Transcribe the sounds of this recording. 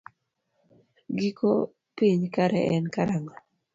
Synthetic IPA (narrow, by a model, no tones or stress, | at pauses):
ɡikʰo | piɲkaɾɛ̰ʔɛnkaɾaŋɔ